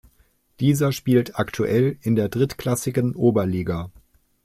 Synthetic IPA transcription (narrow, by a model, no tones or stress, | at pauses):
d̥iːzɐʃpiːltʰaktʰuʔɛlɪndeːɐdʁɪtkl̥asɪɡənʔoːbɐliːɡa